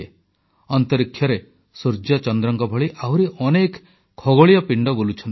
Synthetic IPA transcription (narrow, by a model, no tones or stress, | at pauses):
e | ɔnt̪ɔɾikʰːjɔɾe | suɾd͡ʒɔt͡ʃɔnd̪ɾɔŋkɔbʱɔɭiʔawɾiʔɔnek | kʰɔɡoɭijɔpiɳɖɔbolut͡ʃʰɔnt̪